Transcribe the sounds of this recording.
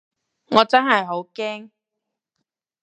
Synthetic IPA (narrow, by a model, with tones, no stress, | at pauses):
ŋɔː˨˧t͡sɐ˥nɦɐ˨jɦo˨˥wkɛː˥ŋ